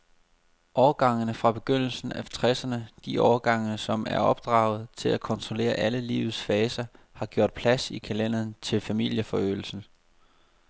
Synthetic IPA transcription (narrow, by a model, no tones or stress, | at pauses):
ʔɒːɐɡ̥ɑ̈ŋ̰ənəfʁɑ̈b̥e̝ɡ̥øn̰l̩sn̩æt͡sʰʁɛsɐnəd̥iʔɒːɐɡ̥ɑ̈ŋnəsɒ̽mʔæɐɒ̽b̥̚d̥ʁɑ̈ːʊð̞̩ˠt͡sʰe̝lækʰɒ̽nt͡sʰʁo̝le̝̰ːɐʔæləlḭːʊð̩ˠsfɛːsɐ | hɑ̈ɡ̥jo̝ɐ̰d̥̚pʰlæsikʰælen̰ɐðnt͡sʰe̝lfæmil̰jəfɒ̽ø̰ːl̩sn̩